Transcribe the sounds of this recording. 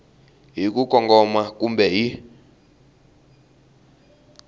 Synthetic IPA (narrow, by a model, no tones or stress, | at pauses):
ɦik̬uk̬ʼɔŋɡɔmakumbɛɦi